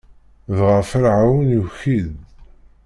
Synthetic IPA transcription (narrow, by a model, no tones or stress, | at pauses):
ðʁəfəɾʕawənuçið